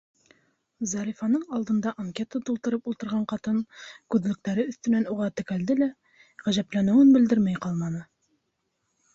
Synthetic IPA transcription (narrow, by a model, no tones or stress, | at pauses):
zɑɾʲifɑnɤɴɑlˠd̪ɤ̆nd̪ɑʔɐŋkʲe̞t̪ət̪ulˠt̪ɤ̆ɾɤpulˠt̪ɤ̆ɾʁɑɴqɑt̪ɤnkʉðlɵ̆k̚t̪æɾɘɵ̆θt̪ɵ̆nænuʁɑt̪ɘ̆kæld̪ɘlæ | ʁæʑæplænɘ̆wɘnbɘ̆ld̪ɘɾmæjqɑlˠmɑnɤ